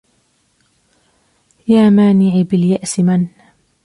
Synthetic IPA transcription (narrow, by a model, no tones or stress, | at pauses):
jaːmaːnɪʕbɪljaʔsɪman